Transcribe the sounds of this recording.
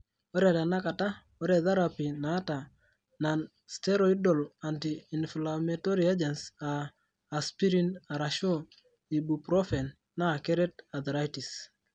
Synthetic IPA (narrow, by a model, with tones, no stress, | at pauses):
o˦ɾɛ˨ta˨na˦ka˨ta˦ | o˦ɾe˨ða˦ɾapi˨naː˨˦ta˨ | na˨n | stɛ˦ɾo˨i˦do˨la˨ntiː˨nflameto˦ɾi˨a˦d͡ʒɛ˨nsaː˨ | spi˦ɾi˦na˨ɾa˨ʃo˦ | i˨bu˨pɾɔ˦fɛ˨nː | a˦˨kɛ˦ɾɛ˦ta˨ðɾa˦jti˨s